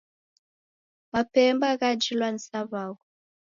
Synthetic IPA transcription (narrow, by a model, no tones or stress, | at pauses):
mapɛmbaɣad͡ʒilwansaβaɣɔ